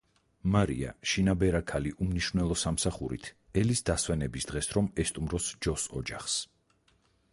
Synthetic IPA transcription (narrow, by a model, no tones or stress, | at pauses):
maɾḭa̰ʃinabɛɾakʰaliʔumniʃvnɛlˠɔsamsaχuɾḭt̪ʰ | ɛlisd̪aswɛnɛbisd̪̥ʁɛsɾɔmɛst̪ʼumɾɔsd͡ʒɔsɔ̰d͡ʒaχs